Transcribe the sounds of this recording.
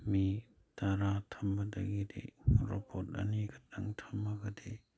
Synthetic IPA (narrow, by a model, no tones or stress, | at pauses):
mi | taɾatʰɐmbɐdɐɡidḛɾopʰot̚ɐ̰niɡɐ̥t̚aŋtʰɐmːɐɡɐde